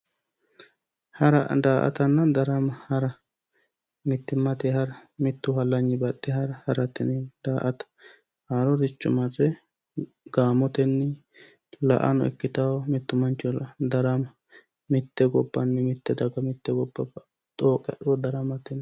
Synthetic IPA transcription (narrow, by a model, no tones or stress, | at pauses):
hɐɾɐd̪aːʔɐ̰t̪ɐnːɐd̪ɐɾɐmɐhɐɾɐ | mɪt̪ːɪmːɐt̪ɛhɐɾɐmɪt̪ːʊhɐlːɐɲːɪbɐt̪ːɪhɐɾhɐɾɐt̪ːɪ̰nɛd̪aːʔɐt̪ɐ̥ | hɐɾɔd̪ɪt͡ʃːʊmɐt͡sʼɛ | ɡaːmɔt̪ɛnːɪ | lɐ̰ʔɐ̰nɔ̰ɛ̰kːɪt̪ɐwmɪt̪ːʊmɐnt͡ʃːɔlɐd̪ɐɾɐmɐ | mɪt̪ːɛɡɔbːɐnːɛmɪt̪ːɛd̪ɐɡɐmɪt̪ːɛɡɔbːɐb | t̪ʼoːkʼɛ̰ɗʊwɔd̪ɐɾɐmɐt̪ɪn